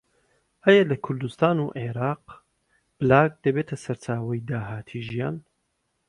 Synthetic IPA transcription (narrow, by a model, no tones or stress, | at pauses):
hɛjɐlɐkʰʊɾd̪ust̪aːnuʔeɾɑːq | b̥ɨlaːɡ̚d̪ɐbeːt̪ʰɐsɐɾt͡ʃaːwɐjd̪aːɦaːt̪ʰiːʒijaːn